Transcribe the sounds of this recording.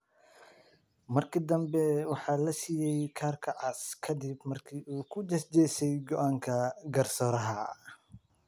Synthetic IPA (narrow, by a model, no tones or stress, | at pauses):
mɐrkʰɪd̪ɐmbɛwɑħɑːlɐsijɛjkʰaːrkʰɐʕɑskʰɐd̪ɪbmɐrkʰiːʔuːkʰʊd͡ʒɐsd͡ʒɛsɛjɡɔʔaːŋkʰɐɡɐrsɔːɾɐɦɐ